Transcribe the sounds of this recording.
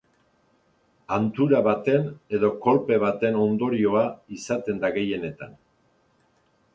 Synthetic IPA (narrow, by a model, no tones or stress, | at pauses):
ant̪uɾaβat̪e̞ne̞ðo̞ko̞lpe̞β̞at̪e̞no̞nd̪o̞ɾio̞aisat̪e̞nd̪aɣe̞je̞ne̞t̪a̰n